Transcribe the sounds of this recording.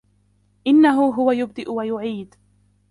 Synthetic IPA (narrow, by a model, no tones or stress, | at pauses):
ʔɪnːaɦʊɦʊwajʊb̚d̪ɪʔʊwajʊʕiːd̪